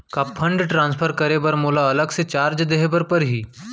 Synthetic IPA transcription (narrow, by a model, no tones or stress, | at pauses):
kapʰɐ̃ɳɖʈɾãːnspʰəɾkɐɾebɐɾmoːlaɐləɡset͡ʃaːɾd͡ʒd̪eɦbəɾpɐɾɦiː